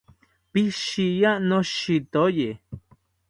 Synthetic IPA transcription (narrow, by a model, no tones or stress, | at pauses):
piʃijanoʃit̪oje